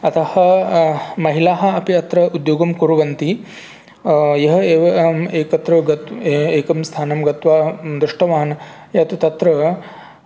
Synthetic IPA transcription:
ɐt̪ʰɐhɐ̆ | mɐɦilaːɦɐ̆ɐpiɐt̪ɾɐud̪joːɡɐmkuɾuɡɐnt̪i | jɐɦɐeːʋɐeːkɐt̪ɾɐɡɐt̪eːkɐmst̪ʰaːnɐmɡɐt̪ʋaːd̪ɾuʂʈɐʋaːn | jɐt̪ut̪ɐt̪ɾɐ

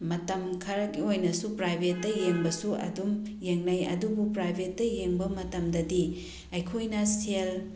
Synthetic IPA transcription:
mɐtɐmkʰɐɾɐkiojnɐsupɾajbʱetːɐjeŋbɐsuʔɐ̰dumjeŋnɐjɐ̰dubupɾajbʱetːɐjeŋbɐmɐtɐmdɐdi | ɐjkʰojnɐsel

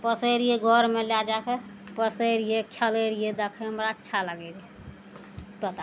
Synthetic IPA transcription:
pəsəɾijeɡʱɔɾmelad͡ʒakepəsəɾijekʰjaləɾijed̪ekʰeɦəmɾaət͡ʃːt͡ʃʰaləɡɛɾe | t̪ət̪a

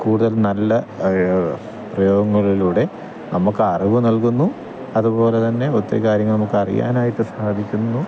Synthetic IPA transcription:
kuːɽuðɐlnɐlːɐ | prɐjo̞ːɡɐŋːɐɭiluːɽe̞ | nɐmːukːɨɐriʋunɐlkunːu | ɐðubo̞ːle̞t̪ɐnːe̞ot̪ːɐ̰kaːɾjɐŋːɭnɐmukːɨɐrḭja̰ːnaːjiʈːɨsaːd̪ʱikʲːunːu

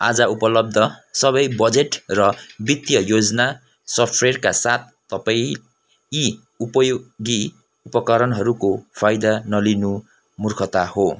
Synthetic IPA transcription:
a̰d͡zʌupʌlʌb̚d̪ʱʌsʌβʌjbʌd͡zeʈrʌbit̪jʌjod͡zʌna | sʌʈʰrerkasat̪̚ʰːʌpaĩ | i | upʌjoɡi | upʌkʌɾʌnɦʌɾukopʰajd̪anʌlinu | murkʰʌt̪aho

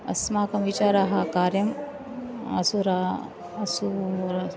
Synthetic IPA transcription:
ɐ̰smaːkɐmʋit͡ʃaːɾaɦɐkaːɾjɐm | ɐ̰suɾa | ɐsuɾ

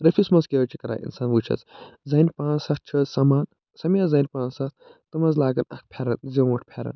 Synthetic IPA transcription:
ɾɐfʰʲismɐzkʲeɐt͡ʃʰikɐɾa̰ːʔḭnsaːnʋut͡ʃʰɐ̰szɐnʲpãːnsɐt̪̚t͡ʃʰɐzsɐmaːn | sɐmiazɐːnpãːnsɐt̪t̪ɐmɐzlaːɡɐnɐ̰k̚ʰpʲʰeːɾɐnzɐ̃ʋɐʈʰpʲʰeːɾɐ̰n

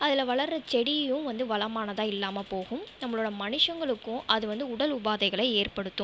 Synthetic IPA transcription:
ɐðɪlɐʋɐɭɐɾɐt͡ʃɛɽɪjɯ̃ʋɐnd̪ɯʋɐlɐmaːnɐðãːɪlːaːmɐpoːɣɯmnɐmːɐɭoːɽɐmɐnɪʂɐŋɡɐɭɯkːʊ̃ʔɐðɯʋɐnd̪ɯʊɽɐlʊbaːðɐɪɣɐɭɐɪeːrpɐɽɯt̪ːɯ̃

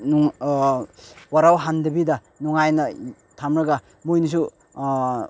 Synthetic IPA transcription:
nuŋ | waɾawɦandɐbidɐ | nuŋajnɐ | tʰamɾɐɡa | mojnus̬u

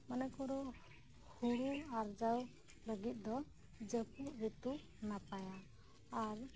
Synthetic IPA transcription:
manɛkɔɾɔ | huɾuaɾd͡ʒaw | ləɡit̪̚d̪ɔ | d͡ʒəkuʔbit̪u | napajaː | ɾ

